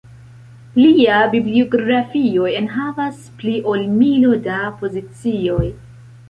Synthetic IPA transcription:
pliabiblioɡɾafio̞e̞nɦavaspliʔo̞lmilo̞dapo̞zit͡sio̞j

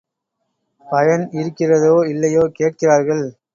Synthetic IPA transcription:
pɐjɐnɪɾɯkːɪrɐðoːɪlːɐjoːkeːʈ̚kɪraːɾɣɐɭ

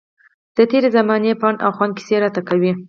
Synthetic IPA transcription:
d̪̥ət̪eɾezamɑnepɑna̰xwɑnki̥seɾat̪akawi

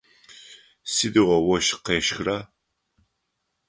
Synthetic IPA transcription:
sidiʁʷɔwɔʃqeːʃxra

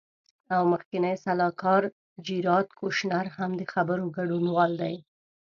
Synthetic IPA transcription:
awməxkɪnəjsalɑkɑɾ | d͡ʒiɾɑt̪kʰoʃnaɾhamd̪əxabəɾoɡaɖunwɑld̪aj

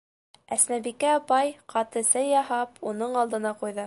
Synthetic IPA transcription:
æsnæbikːæɑpɑjqɑt̪ɤ̆sɘjɑɦɑpʰunɤɴɑlˠd̪ɤ̆nɑqujðɤ

